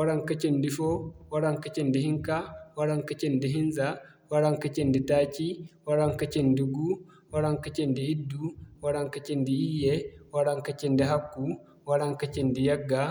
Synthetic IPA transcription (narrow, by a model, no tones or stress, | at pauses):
wɐɾaŋkɐt͡ʃɛndifɔwɐɾaŋkɐt͡ʃɛndɛhiŋkawɐɾaŋkɐt͡ʃɛndɛɦinza | wɐɾaŋkɐt͡ʃɛndɛtaːt͡ʃiwɐɾaŋkɐt͡ʃɛndiɡu | wɐɾaŋkɐt͡ʃɛndiidːuwɐɾaŋkɐt͡ʃɛndiijɛwɐɾaŋkɐt͡ʃɛndɛɦakːu | wɐɾaŋkɐt͡ʃɛndijɐɡːa